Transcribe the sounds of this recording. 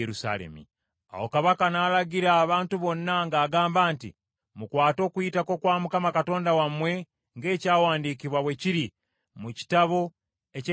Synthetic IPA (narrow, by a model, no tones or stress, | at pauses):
eusa̰lḛmḭ | a̰wo̞kaβakanaːlaɟiɾaːβaːntuβo̞nːaŋɡaːɡaːmbaːntḭ | mukwaːto̞ːkuitako̞kwaːmukamakato̞ːndawamwe̞ | ŋɡe̞ːcaːwaːndikiβwaβwe̞ciɾi | muci̥taβo̞ | ec